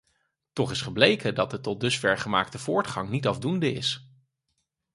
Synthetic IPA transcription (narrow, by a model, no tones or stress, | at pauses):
tɔχɪsχəblejkədɑtətɔt̚dɵsfɛɹχəmaːktəv̥ʊːɹtχɑŋnitɑvdundəɪ̰s